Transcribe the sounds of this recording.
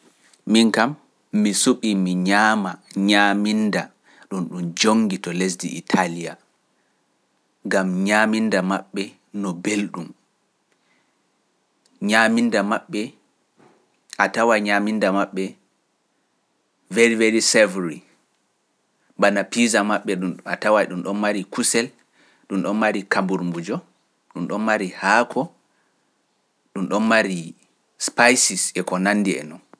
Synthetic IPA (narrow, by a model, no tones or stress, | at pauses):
miŋkamː | isuɓimiɲaːmaɲaːminda | ɗunɗumd͡ʒoŋɡitɔles̬dḭʔḭtʰalija̰ | ŋɡamɲaːmindama̰ɓːɛ | nɔbelɗum | ɲamindamaɓːɛ | ʔatawaɲamindamaɓːɛ | veɾiveɾisɛvɾi | banapizamaɓːɛɗuatawajɗumɗɔnmaɾikusɛl | ɗumɗɔnmaɾikambuɾmbud͡ʒɔ | ɗumɗɔnmaɾihakʰɔ | ɗumɗɔnmaɾi | spajsisɛkɔnanːdiɛ̰nɔn